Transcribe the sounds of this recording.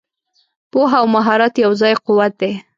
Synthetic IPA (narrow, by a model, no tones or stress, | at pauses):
poɦaawmaɦɑɾat̪jawzɑjqʊwat̪̚d̪e